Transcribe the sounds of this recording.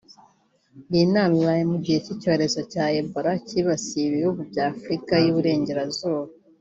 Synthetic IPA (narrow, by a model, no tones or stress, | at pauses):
βinaːmiβaːjemuɟihecico̞ɾe̞zo̞caːeboɾaciβasiβihuɡubɟaːfɾikajuβuɾe̞ːɲɟe̞ɾazuːβa